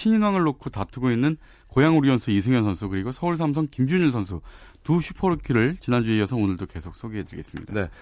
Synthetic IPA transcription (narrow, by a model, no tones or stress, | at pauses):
ɕʰiɲinwaŋɯɭːokʰotatʰɯɡoinːɯn | kojaŋuɾiʌnsʰuis̬ʰeŋjʌnsʰʌnsʰukɯɾiɡosʰʌuɭs̬ʰams̬ʰʌŋkimd͡ʑuɲinsʰʌnsʰutuɕʰupʰʌɾɯkʰiɾɯɭt͡ɕinand͡ʑueijʌsʰʌonɯɭdoke̞sʰok̚s͈ʰoɡeɦe̞dɯɭɡe̞s͈ɯmɲidae